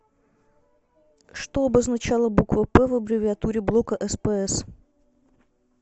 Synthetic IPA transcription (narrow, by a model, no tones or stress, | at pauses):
ʂt̪oɐbəznɐt͡ɕalˠəbukvəpɛvəbɾʲɪvʲɪɐt̪uɾʲɪblˠo̞kəʔɛspəɛs